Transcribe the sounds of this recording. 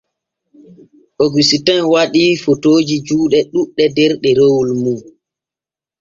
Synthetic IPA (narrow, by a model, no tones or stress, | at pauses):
ʔoɡisitanwaɗifotoːd͡ʒid͡ʒuːɗɛɗuɗːɛdɛɾɗɛɾowulmu